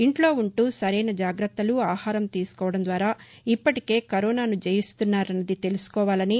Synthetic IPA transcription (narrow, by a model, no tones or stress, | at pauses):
iɳʈlo̞ːuɳʈuːsɐɾɐjnɐd͡ʒaːɡɾɐt̪ːɐluaːhaːɾɐmt̪iːsu̥kɔːʋɐɽɐnd̪ʋaːɾaː | ipːɐʈike̞ːkɐɾɔːnaːnud͡ʒejist̪unːaːɾɐnːɐd̪it̪e̞lusu̥kɔːʋaːlɐni